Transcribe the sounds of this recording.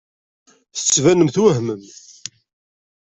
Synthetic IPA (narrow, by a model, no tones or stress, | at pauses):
θə̥t͡sːvænəmθwæɦməm